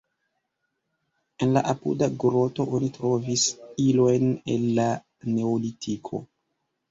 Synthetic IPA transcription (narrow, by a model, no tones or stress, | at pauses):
e̞nla̰ʔapṵdaɡɾo̞to̞ʔonitɾo̞visilo̞jne̞̰lːa | ne̞olitʰikʰo̞̰